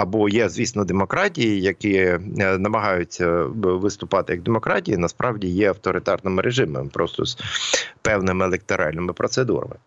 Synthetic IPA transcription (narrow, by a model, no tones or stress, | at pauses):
ɐbɔjɛzʲʋʲisnɔd̪emɔkɾɑtʲijijɐkɪnɐmɐɦɑjʊt͡sʲːɐʋɪst̪ʊpɑt̪ɪjɐɡ̚d̪emɔkɾɑtʲijinɐspɾʔɑwdʲijɛɐwt̪ɔɾɪt̪ɑrnɪmɪɾʔeʒɪmḛmpɾɔst̪ɔ̰z̥pɛwnɪmɪelˠek̚t̪ɔɾʔɑ̰lʲnɪmɪpɾɔt̪sed̪ṵɾɐ̰mɪ